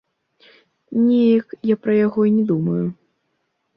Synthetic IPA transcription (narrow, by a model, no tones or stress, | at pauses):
nʲɛjɐkjapɾɐjaɣɔinʲɛd̪umɐju